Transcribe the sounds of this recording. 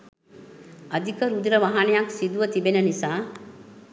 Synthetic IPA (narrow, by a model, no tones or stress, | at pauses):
əd̪ʱikəɾud̪ɾəʋaɦanejaksid̪uʋət̪ibenənisaː